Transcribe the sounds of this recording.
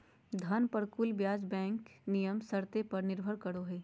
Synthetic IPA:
d̪ʱɐnpɐɾkʊlbjaːd͡ʒbɛ̃ːŋknijəmsɐɾt̪epɐɾnɪɾbʱəɾkɐɾoɦɛː

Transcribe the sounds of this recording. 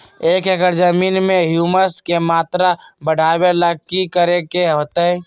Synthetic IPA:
eːkeɡəɾd͡ʒəmiːnmẽɦjuːməskemaːt̪ɾabəɽʱaːweləɡ̚kikəɾekeɦoːt̪eɦɛ

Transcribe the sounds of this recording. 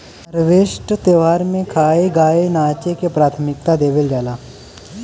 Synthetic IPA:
ɐɾʋeːʃʈət̪eːʋaːɾmẽkʰaːeɡaːenaːt͡ʃekepɾaːt̪ʰəmɪk̚t̪ad̪eːʋeld͡ʒaːlaː

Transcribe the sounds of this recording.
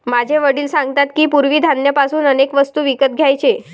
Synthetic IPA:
mad͡ʑʱeʋəɽiːlsãŋɡt̪at̪kiːpuɾʋiːd̪ʱanːjəpasuːnənekʋəst̪uːʋikət̪̚ɡʱjajt͡ɕe

